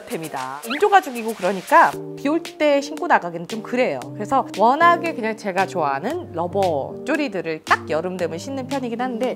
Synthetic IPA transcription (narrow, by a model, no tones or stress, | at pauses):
tʰemɲida̰ind͡ʑoɡad͡ʑuɡiɡokɯɾʌɲik͈apiuɭt͈e̞ːɕʰink͈unaɡaɡinɯnt͡ɕomkɯɾe̞jo̰kɯɾe̞sʰʌwʌnɦaɡe̞kɯɲaŋt͡ɕe̞ɡat͡ɕoanɯnlʌbʌt͡ɕ͈oɾidɯɾɯɭt͈ak̚jʌɾɯmdɯmɯɭɕʰinːɯnpʰjʌɲiɡinhanɯnde̞